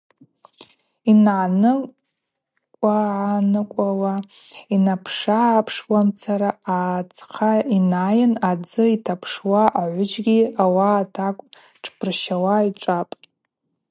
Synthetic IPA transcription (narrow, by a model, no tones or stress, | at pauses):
inʕanɨ | kʷʼaʕanɨkʷʼawa | inapʰʂaːpʰʂwamt͡sʰaɾaat͡sʰʼqʰainajɪnad͡zɨitʰapʰʂwaʔaʕʷʊd͡ʒɡʲiawaːtʰakʷʼ | ʈ͡ʂʰpʰɨrʃawaiʈ͡ʂʷʼapʼ